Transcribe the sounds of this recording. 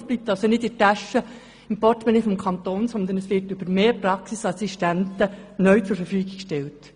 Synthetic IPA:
sblip̚t̪ɑlsonɪtɪtæʃə | ɪmpɔrtmɛnifɔmkʰɑnt̪oːnsɔnd̪ənɛsʋɪtʏbəɾmeːpɾɑksisɑsiʃtæntənœʏt͡sʊɾfəɾfyːɡɪkʃtɛlt

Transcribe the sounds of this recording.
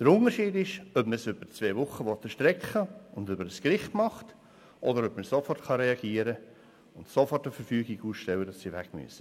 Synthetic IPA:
d̥əɾʊntəɾʃiːdɪʃœpməsʏbəɾt͡sveːʋʊχːəʋɔt̪əʃtɾɛkχəʊndʏbəɾəskɾɪχtmɑχt | ʔɔdəɾœpməsofɔrtχɑɾɛɑɡ̥iːəɾə | ʊntsofɔrtəfəɾfyːɡiɡuːsʃtɛwədɑsːiʋæɡmy̰əsə

